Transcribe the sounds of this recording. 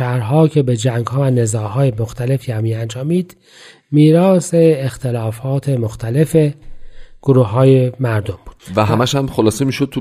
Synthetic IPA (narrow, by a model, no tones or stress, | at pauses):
æhɾɦɒːcʰe̞bed͡ʒæŋɡhɒːvæne̞zɒːɦɒːjemoxt̪ʰæle̞fijæːmiːænd͡ʒɒːmiːd̪̥ | miːɾɒːse̞ːxt̪ʰelɒːfɒːt̪ʰe̞moxt̪ʰæle̞fe̞ | ɡ̥oɾuːɒːje̞mæɾd̪o̞mbuːd̪̥væɦæmæʃhæmxolɒːsemiːʃod̪̚ʰu